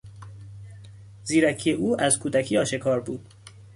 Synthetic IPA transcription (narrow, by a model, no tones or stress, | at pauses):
ziːɾæcʰieʔuːʔæzkʰuːd̪æcʰiːɒːʃekʰɒːɾbuːd̪̥̚